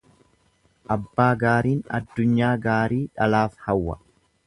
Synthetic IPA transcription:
ʔɐbːaːɡaːɾiːnɐ̰d̪ːʊɲːaːɡaːɾiːᶑɐlaːfhɐwːɐ̰

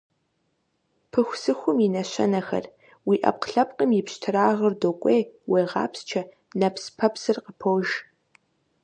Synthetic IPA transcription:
pʰɨxʷsɨxʷʊminɐɕɐ̰nɐxɐ̰r | wiːʔɐ̰p̚qɬɐp̚ʼqʼəmjɪpɕtʰɨraːʁərdokʷʼeːweːʁɑ̰ːpst͡ʃʰɐ | nɐpspʰɐpsɨrqəpʰowʒ

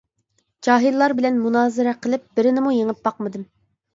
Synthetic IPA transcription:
d͡ʒɑːɦillːˠɑɾbɪlɛnmunɑːzɪɾɛqʰəlˠɪp̚b̥ɪɾɪnɪmujeŋɪp̚b̥ɑq̚mɨd̪ɨm

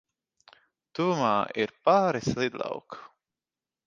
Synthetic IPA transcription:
t̪uvumaːiɾpaːɾislˠid̪lˠɑ̰wk

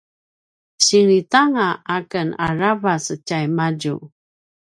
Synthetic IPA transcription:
ɕiŋɾitaŋaakənaɾavasət͡ɕajmaɟṵ

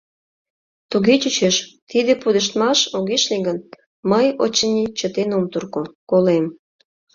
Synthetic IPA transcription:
t̪uɣet͡ɕut͡ɕeʃt̪id̪epud̪əʃt̪mɑʃoɣeʃliɣən | məjot͡ɕːənʲit͡ɕət̪enomt̪urkokolem

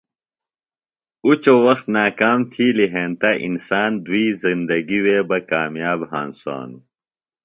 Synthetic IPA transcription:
ut͡ɕowɐxt̪naːkaːmt̪ʰiːliɦeːnt̪ɐʔḭnsaːnd̪uiːzind̪ɐɡiweːbɐkaːmjaːbhaːnsa̰ːnu

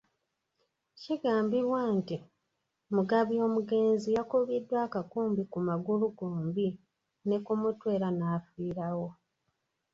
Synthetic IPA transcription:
ciɡaːmbiɾwanti | muɡaβjo̞ːmuɡe̞ːnzijakuβidːwaːkakuːmbikumaɡuluɡoːmbi | ne̞kumutwe̞ːɾanaːfiːɾawo̞

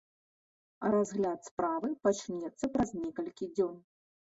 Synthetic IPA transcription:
ɐ̰ɾazɣlʲat̪spɾavɨpat͡ʂnʲɛt̪sːɐpɾaznʲɛkɐlʲkʲid͡zʲɔn

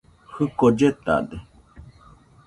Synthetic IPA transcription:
hɨkod͡ʒet̪a̰d̪e

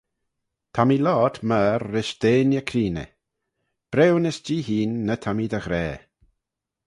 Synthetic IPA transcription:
t̪ʰamilɔːt̪ʰməːɾːɪʃd̪̥eːnjəkʰɾiːnə̰ | b̥ɾɛwnəsd͡ʒiːɦiːnːət̪ʰamid̪əɣɾɛː

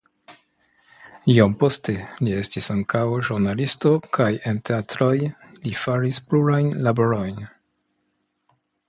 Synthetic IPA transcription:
iompo̞ste̞lie̞stisaŋkawʒuɾnalisto̞kaje̞nte̞atɾo̞jlifaɾispluɾajnlaboɾo̞jn

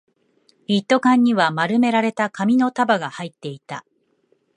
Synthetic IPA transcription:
it̪ːo̞kãɲ̟ːiβamaɾɯ̟me̞ɾaɾe̞t̪akamʲino̞t̪abaɡahait̪ːe̞it̪a

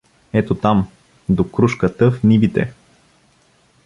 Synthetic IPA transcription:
ɛt̪ot̪am | d̪okɾuʃkət̪əfnibit̪ɛ̰

